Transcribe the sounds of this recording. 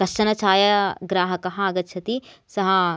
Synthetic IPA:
ɐʃʃɐnɐt͡ʃaːjɐɡɾaːɦɐkɐɦɐaːɡɐt̪ːʃʰɐt̪isɐɦɐ

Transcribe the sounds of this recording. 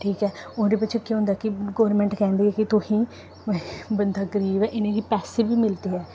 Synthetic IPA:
ʈʰiːkɛːʊñːd̪eːp̬ɪːt͡ʃʰeːkjõːɦʊ̃ːnd̪aːkɪɡɔːəɾmɛ̃ːɳʈkɛ̃ːnd̪eːɛːkɪt̪ʊhĩː | bənd̪aːɡəɾiːbɛːʔɪnẽːɡiːpɛːseːbiːmɪlt̪eːɛː

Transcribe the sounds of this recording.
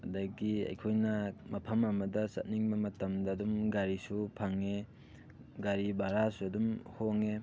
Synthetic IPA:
ɐdɐɡiɐ̰jkʰojnɐmɐpʰɐmɐmɐdɐsɐ̰t̚niŋbɐmɐtɐmdɐːdumɡaɾisupʰaŋe | ɡaɾibaɾasuɐdumhoŋe

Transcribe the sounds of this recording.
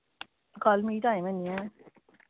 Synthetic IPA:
kɔlmitajmania

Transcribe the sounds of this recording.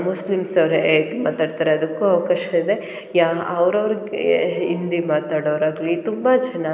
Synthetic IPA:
muslimsɐʋɾeet̪imaːt̪aːɖt̪aːɾeɐd̪ɐkːuɐʋɐkaːʃɐid̪e̞ | jaɐʋɾɐʋɐɾiɡeind̪imaːt̪aːɽoʋɾaːɡɐlit̪umbɐd͡ʒɐna

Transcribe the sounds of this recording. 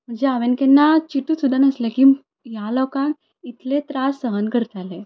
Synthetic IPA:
m̤əɳd͡zeaʋenkenːat͡ɕiʈuːsud̪ʱanəslekiː | jalɔkan | it̪ʰlet̪ɾasːəɦənkəɾt̪ale

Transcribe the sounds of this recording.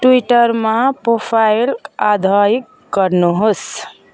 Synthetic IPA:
ʈuiʈəɾmãpɾopʰailad̪ʱəikːəɾnuɦos

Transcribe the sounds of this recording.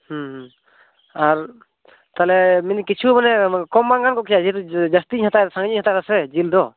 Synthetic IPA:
huɦ | aɾ | t̪alɛminikit͡ʃʰubanɛkɔmbaŋɡankɔkʰijad͡ʒit̪ud͡ʒast̪iɲhat̪asaŋɡɲiɲhat̪aɾasɛd͡ʒild̪ɔ

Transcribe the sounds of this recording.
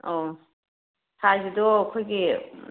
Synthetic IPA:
o | sʰazidɔkʰɔjɡi

